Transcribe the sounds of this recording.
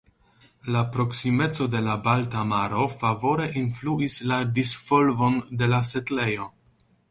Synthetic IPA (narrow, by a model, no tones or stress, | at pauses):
lapɾo̞ksime̞t͡so̞de̞labaltamaɾo̞favo̞ɾe̞ʔinfluisladisfo̞lvo̞nde̞lase̞tle̞jo̞